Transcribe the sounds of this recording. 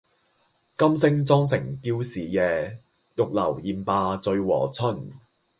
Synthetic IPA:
kɐ˥msɪ˥ŋt͡sɔː˥ŋsɪ˨˩ŋkiː˧wsiː˨˩jɛː˨˧ | jʊ˨k̚lɐ̰˨˩wjiː˨˩npaː˧t͡sɵ˧ɥwɔ̰ː˨˩t͡sʰɵ˥n

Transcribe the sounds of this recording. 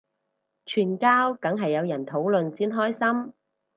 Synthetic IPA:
t͡ʃʰyː˨˩nkaː˥wkɐ˨˥ŋɦɐ˨jːɐ˨˧wjɐ˨˩nt̪ʰo˨˥wlɵ˨nsiː˥nɦɔː˥jsɐ˥m

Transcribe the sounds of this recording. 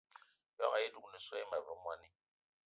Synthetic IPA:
jɔ˦ŋa˨ji˦du˨kni˨sʷɔ˦i˦ma˨və˨˦mwa˦ni˦

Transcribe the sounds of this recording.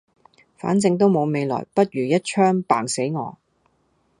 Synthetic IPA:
fa̰ː˨˥nt͡sɪ˧ŋt̪o˥wmo˨˧wme˨˧jlɔ̰ː˨˩jpɐ˥t̚ɥyː˨˩jɐ˥t̚t͡ʃʰœː˥ŋpa̰ː˨˩ŋse˨˥jŋɔ̰ː˨˧

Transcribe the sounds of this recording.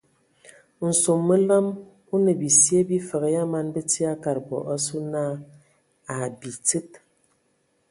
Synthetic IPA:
n̩˨so˨mːə˦la˦m | u˦ne˨bi˨sje˦bi˦fə˨ɣja˦ma˦nbe˦ti˦a˦ka˨ɾbɔ̰˨ʔa˦su˦na˦ | a˨bi˨t͡sɨ˦t̚

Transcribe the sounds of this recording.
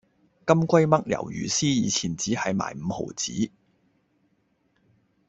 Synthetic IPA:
kɐ˥mkʷɐ˥jmɐ˥k̚jɐ̰˨˩wjy̰ː˨˩siː˥jiː˨˧t͡sʰiː˨˩nt͡siː˨˥hɐ˨jma̰ː˨˩jm̩˨˧ho̰˨˩wt͡sḭː˨˥

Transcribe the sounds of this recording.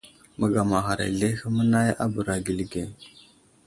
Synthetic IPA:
mə˨ɡa˨ma˨xa˨ɾa̰˨ɮe˦xə˦mə˦na˦ja̰˦bə˨ɾa˨ɡi˨lɡe˨

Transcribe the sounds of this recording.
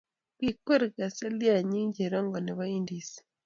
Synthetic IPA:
kwi˦ke˦ɾi˨ka˨se˦lja˨ɲi˦ɲɟe˨ɾa˦ŋɡo˨ne˨βa˦iːndise̥

